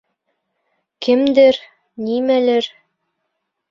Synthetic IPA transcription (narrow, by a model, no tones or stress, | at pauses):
kɘ̆md̪ɘɾ | nimælɘɾ